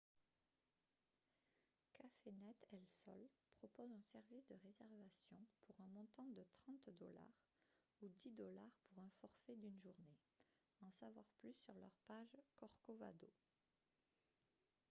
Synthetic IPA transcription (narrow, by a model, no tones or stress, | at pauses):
kʰafenɛt̪ɛlsɔ̰lpχɔpozɛ̃sɛʁvisd̪əʁezɛʁvasjɔ̃puʁɛ̃mɔ̃t̪ɑ̃d̪ət̪χɑ̃t̪d̪ɔla̰ʁ | ud̪id̪ɔlaʁpuʁɛ̃fɔʁfɛd̪ynʒuʁne | ɑ̃savwaʁplysːyʁlœʁpaʒkɔʁkova̰d̪o